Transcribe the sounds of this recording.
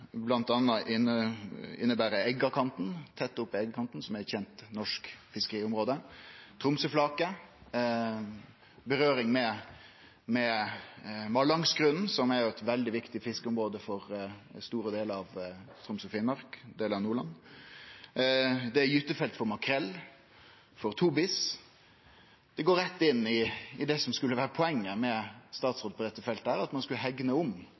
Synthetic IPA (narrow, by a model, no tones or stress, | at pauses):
blɑnt̪ɑnːɑʔɪnəɪ̰nːəbæːɾəɛɡːɑkʰɑnt̪n̩t̪ʰɛt̪ːʊpːɛɡəkʰɑnt̪nsɔmɛçɛnt̪nɔʂkfɪskəɾiːʊmɾoːd̪ət̪ʰɾʊmsəflɑːkə | bəɾøːɾɪŋmɛ | mɛ | mɑlɑŋsɡɾʉnn̩sɔmɛɾjʊɛt̪ʋɛld̪ɪʋɪkt̪ɪfɪskəʊmɾoːd̪əfɔɾst̪uːɾəd̪eːləɾɑʋt̪ʰɾʊmsʊfiːnmɑɾkd̪eːləɾɑʋnuːɾɭɑn | d̪ɛæjʉːt̪əfɛlt̪fɔɾmɑkʰɾɛlː | fɔɾt̪ʰuːbɪs | d̪̥ɛɡoːɾɛt̪ːɪnːɪɪd̪ɛsɔmskʉlːəʋæːɾəpʰɔɛŋːəmɛst̪ɑːt̪sɾoːd̪̚pʰɔd̪ɛt̪ːəfɛlt̪̚d̪æːɾɑt̪mɑnskʉləɦɛɡnəʊm